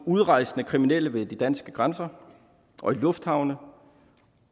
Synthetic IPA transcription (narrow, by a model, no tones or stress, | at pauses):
uð̞ˠʁɑ̈ɪ̰snəkʰʁiminel̰əʋe̝d̥id̥ænsɡ̥əɡ̥ʁansɐ | ʔɒ̽ilɔ̽fd̥hɑ̈ʊnə